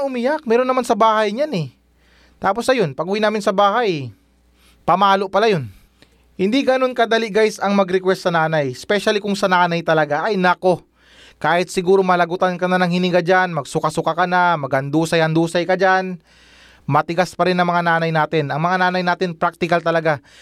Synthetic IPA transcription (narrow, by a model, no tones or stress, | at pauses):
ʔʊmɪjak̚mɛːɾonːɐmansɐbaːhɐjɲanɛ | t̪aːpo̞sɐjo̞npɐɡuːwinaːmɪnsɐbaːhaj | pɐmaːlo̞ʔpɐlajo̞n | hɪnd̪iɡɐno̞nkɐd̪ɐliʔɡajsɐŋmɐɡɾɪkwɛst̪sɐnaːnajɛspɛʃɐlikʊŋsɐnaːnɐjt̪ɐlɐɡaʔɐjnɐko̞ | kaːhɪt̪̚sɪɡuːɾo̞mɐlɐɡʊt̪ankɐnanɐŋhɪnɪɡad͡ʒanmɐɡsʊkasʊkakɐnamɐɡhɐnd̪uːsɐjhɐnd̪uːsɐjkɐd͡ʒan | mɐt̪ɪɡaspɐɾɪnːɐŋmɐŋanaːnɐjnaːt̪ɪnɐŋmɐŋanaːnɐjnaːt̪ɪnpɾak̚t̪ɪkɐlt̪ɐlɐɡa